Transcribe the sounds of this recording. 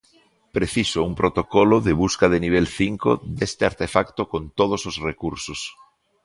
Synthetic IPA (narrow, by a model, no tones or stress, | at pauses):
pɾeθisoumpɾot̪okoloðeβ̞uskaðeniβ̞elθiŋko̰d̪est̪eaɾt̪efakt̪okont̪oð̞ososrekuɾsos